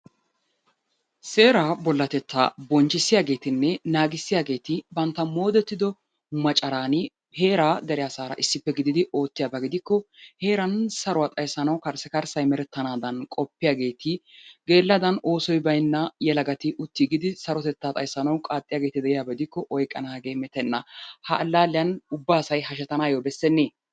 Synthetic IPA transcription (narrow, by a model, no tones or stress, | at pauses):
se̞ːɾaːbɔlːɐt̪ɛt̪ːa̰ːbɔnt͡ʃːɪsːɪjaːɡe̞ːt̪ɪnːɛnaːɡɪsːɪjaːɡe̞ːt̪ɪbɐnt̪ːɐmo̞ːd̪ɛt̪ːɪd̪ɔ | mɐt͡ʃʼːɐɾaːnɪ | he̞ːɾaːd̪ɛɾɪjasaːɾɐ̰ʔɪsːɪpːɛɡɪd̪ɪd̪ɪo̞ːt̪ːɪjaːbɐɡɪd̪ɪkːɔhe̞ːɾɐnsɐɾʊwaːt̪ʼɐjsɐnɐwkɐɾsɛkɐɾsɐjmɛɾɛt̪ːɐnaːd̪ɐnkʼɔpːɪjaːɡe̞ːt̪ɪɡe̞ːlːɐd̪ɐno̞ːsɔjbɐjnːɐjɛlɐɡɐt̪ɪʔʊt̪ːiːɡɪd̪ɪsɐɾɔt̪ɛt̪ːaːt̪ʼɐ̰jsːɐnɐwkʼaːt̪ʼːɪjaːɡe̞ːt̪ɪd̪ɛɪjaːbɐɡɪd̪ɪkːɔʔɔjkʼːɐnaːɡe̞ːmɛt̪ɛnːɐhɐʔːlːaːlːɪjɐnʊbːaːsɐjhɐʃɛt̪ɐnaːjoːbɛsːɛnːeː